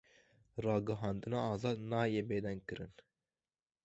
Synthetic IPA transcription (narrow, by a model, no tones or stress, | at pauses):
ɾɑːɡɐɦɑːnd̪ɨnɑːzɑːd̪nɑːjeːbeːd̪ɛŋɡ̚kɨɾɨn